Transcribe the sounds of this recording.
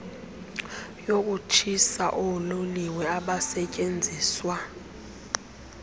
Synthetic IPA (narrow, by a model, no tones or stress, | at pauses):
jok̬ʼut͡ʃʰisa̰ʔɔloliwɛaɓasɛcʼend͡zʱiːswa